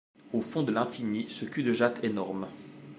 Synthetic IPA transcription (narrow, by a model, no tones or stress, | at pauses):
ofɔ̃d̪əlɛ̃finisəkʲyd̪əʒat̪ʰenɔʁm